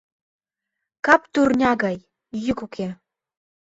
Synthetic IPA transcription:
kɑpt̪urnʲɑɡɑj | jykukʰe

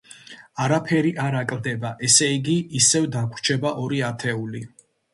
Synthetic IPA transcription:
aɾapʰɛɾiʔaɾakʼld̪ɛbaʔɛsɛiɡiːsɛvd̪akʷʰt͡ʃʰɛbaʔɔɾiat̪ʰɛuli

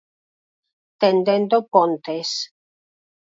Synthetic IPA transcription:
t̪end̪end̪opont̪es

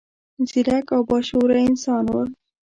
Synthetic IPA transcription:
zɪlakawbɑʃoɾaɪnsɑnwə̰ɾ

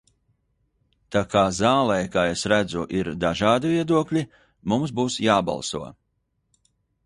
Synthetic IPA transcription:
t̪aːkaːzaːlˠɛjkaːesɾæd̪zuʔiɾd̪aʒaːd̪iviɛd̪uɔklʲi | mumsbuːsjaːbɑ̰lˠsṵɔ

